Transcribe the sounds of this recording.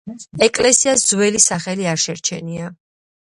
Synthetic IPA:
ɛkʼlɛsiasd̪zwɛlisaχɛliaɾʃɛɾt͡ʃʰɛnia

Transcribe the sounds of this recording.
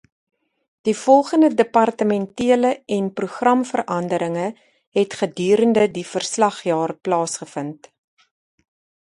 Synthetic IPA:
d̥ifɔlˠχəndədəpɐrtəmɛntiələɛnpruχrɐmfərʔɐndəɾəŋə | ɦɛtχədyːɾəndədifərslɐχjɑːrplɑːsχəfənt

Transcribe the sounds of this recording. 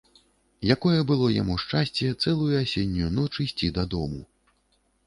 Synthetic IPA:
jakɔjɛbɨlˠɔja̰muʂt͡ʂasʲt͡sʲɛt̪sɛlˠujuasʲenʲːujunɔt͡ʂɨsʲt͡sʲid̪ɐd̪ɔmu

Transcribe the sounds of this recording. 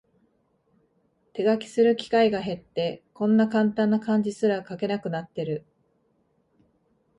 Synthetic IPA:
t̪e̞ɡakʲi̥sɨɾɯ̟kʲi̥kaiɡaɦe̞t̪ːe̞kõ̞nːakãnt̪ãnːakãɲ̟d͡ʑisɨɾakake̞nakɯ̟nat̪ːe̞ɾɯ̟

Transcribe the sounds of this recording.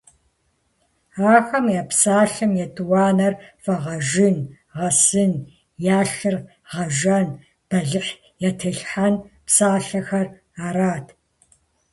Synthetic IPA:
aːxɐmjɛpsaːɬɨmjɛtʰʼɨwɑːnɐrfɐʁɐʒɪn | ʁɐsɨn | jaːɬɨr | ʁɐʒɐn | b̥ɐɮɨħ | jɛtʰɨɬħanpsaːɬɐxɐr | aːɾaːtʰ

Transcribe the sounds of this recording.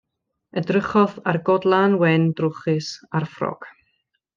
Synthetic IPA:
ədrəχɔðarɡɔdlˠanwɛndrʊχɨsarfrɔ̰ɡ̥

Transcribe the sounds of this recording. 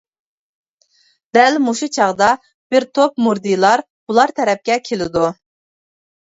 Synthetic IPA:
d̪̥ɛlmoʃut͡ʃʰɑʁd̪ɑ | b̥ɪɾt̪ʰopmuɾd̪ijlˠɑɾ | bulˠɑɾt̪ʰɛɾɛp̚kʲɛkʲʰelɪd̪u

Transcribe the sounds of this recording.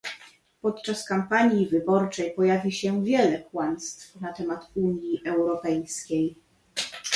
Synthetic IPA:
pɔt̪t͡ʂaskampaɲjivɘbɔɾt͡ʂɛjpɔjavʲiɕɛvʲjɛlɛkwanst̪fnat̪ɛmat̪uɲjiʔɛwɾɔpɛjskʲej

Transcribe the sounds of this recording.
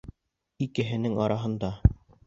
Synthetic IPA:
ikɘ̆ɦɘ̆nɘŋɑɾɑɦɤ̆nd̪ɑ

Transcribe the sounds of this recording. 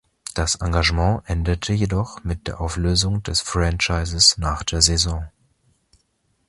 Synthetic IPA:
d̥asʔa̰ŋɡaʒəmɑ̃ːʔɛndətʰəjedɔχmɪt̚d̥eːɐʔaʊfløːzʊŋdɛsfʁɛ̃nt͡ʃaɪzəsnaːχd̥eːɐzezɔ̃ː

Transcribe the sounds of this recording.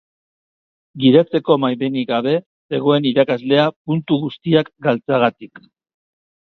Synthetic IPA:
ɡiðat͡se̞ko̞majβeniɣaβe̞ | se̞ɣ̞o̞e̞niɾakazle̞apunt̪uɣust̪iakɡalt͡saɣat̪ik

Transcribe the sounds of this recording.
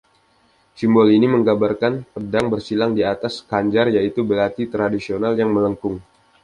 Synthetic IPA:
simbɔliniməŋɡabarkanpədaŋbərsilaŋdiat̪askaɲd͡ʒarjait̪ubəlat̪it̪ɾadisionaljaŋmələŋkʊŋ

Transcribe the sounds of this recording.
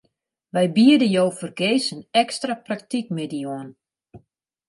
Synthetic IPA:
ʋɛjbiədəjowfərɡeːsənɛkstraprak̚tik̚medioən

